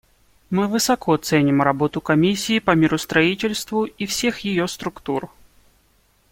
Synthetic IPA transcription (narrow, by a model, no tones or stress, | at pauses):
mɨvɨsɐkʰot̪sɛnʲɪmɾɐbot̪ʊkɐmʲisʲːiːpɐmʲɪɾʊst̪ɾɐitʲɪlʲst̪vʊifsʲexjɪjost̪ɾʊkt̪ur